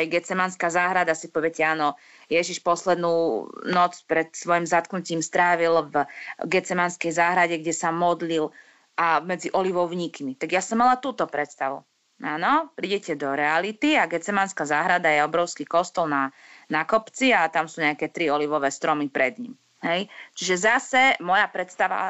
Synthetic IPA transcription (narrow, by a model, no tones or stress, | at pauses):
ɛjɡɛt͡sɛmanskaːzaːɦɾad̪asipɔʋɛcɛaːnɔ | jɛʒiʃpɔslɛd̪nuːnɔt͡spɾɛt̪sʋɔjimzat̪knuciːmst̪ɾaːʋilvɡɛt͡sɛmanskɛjzaːɦɾaɟɛɡɟɛsamɔd̪lil | ʔamɛd͡ziʔɔliʋɔʊɲiːkmit̪aɡjasɔmːalat̪uːt̪ɔpɾɛt̪st̪aʋṵ | aːnɔpɾiɟɛcɛd̪ɔɾɛalit̪iaɡɛt͡sɛmanskazaːɦɾad̪ajɛɔbɾɔʊskiːkɔst̪ɔlna | nakɔpt͡siat̪amsuːɲɛakɛt̪ɾiɔliʋɔʋɛːst̪ɾɔmipɾɛd̪ɲḭm | hɛjt͡ʃiʒɛzasɛmɔjapɾɛt̪st̪aʋa̰